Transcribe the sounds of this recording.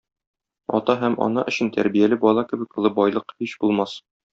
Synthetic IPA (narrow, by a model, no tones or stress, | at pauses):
ɒ̰t̪ɑɦæmɒ̰nɤʔɵ̆ɕɘnt̪æ̰ɾbijælɘbɒlˠɑkɘ̆bɘ̆k̚ɤ̆lˠɤbɒjlˠɤqhiɕbulˠmɑs